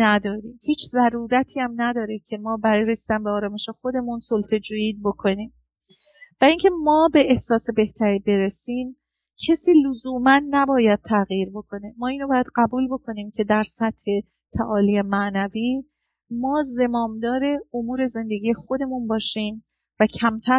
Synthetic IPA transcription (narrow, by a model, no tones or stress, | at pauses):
næd̪ɒːɾiːmhiːt͡ʃʰzæɾuːɾæt̪ʰiːæmnæd̪ɒːɾecʰe̞mɒːbæɾɒːjɾesiːd̪ænbeɒːɾɒːme̞ʃe̞xo̞d̪e̞munsolt̪ʰe̞d͡ʒoiːd̪̚bo̞kʰo̞niːm | væiŋcʰe̞mɒːbe̞ehsɒːse̞be̞ht̪ʰæɾiːbe̞ɾesiːm | cʰesiːlozuːmænːæbɒːjæd̪̚t̪ʰæɣjiːɾbo̞kʰo̞ne̞mɒːiːnobɒːjæd̪ɢæbuːlbo̞kʰo̞niːmcʰe̞d̪æɾsæt̪he̞ | t̪ʰæʔɒːliːemæʔnæviː | mɒːze̞mɒːmd̪ɒːɾe̞omuːɾe̞ze̞nd̪e̞ɡije̞xo̞d̪e̞munbɒːʃiːm | væcʰæmt̪ʰæ